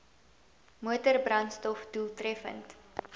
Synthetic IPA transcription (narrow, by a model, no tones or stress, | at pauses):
muətərbrɐnstɔfdulˠtrɛfə̰nt